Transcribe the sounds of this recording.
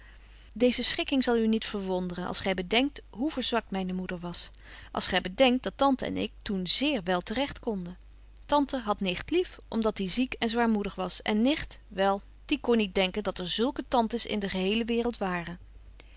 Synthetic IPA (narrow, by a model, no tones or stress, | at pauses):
dejzəsχɪkɪŋzɑlˠynitfəɹʋɔndərənʔɑ̰lˠsχɛjbədɛŋk̚tɦuvəɹzʋɑkmɛjnəmudəɹʋɑs | ʔɑ̰lˠsχɛjbədɛŋk̚d̥ɑtɑntəɛ̰nɪ̰k̚tunzɪːɹʋɛlˠtərɛχtkɔndə | tɑntəɦɑtnɪχtlifʔɔmdɑtdizikɛnzʋaːɹmudəχʋɑsɛ̰nːɪχtʋɛlˠ | d̥ikɔnːit̚dɛŋkəndɑtɛɹzɵlˠkətɑntəsɪ̰ndəχəɦejləʋɪːrəlˠtʋaːrə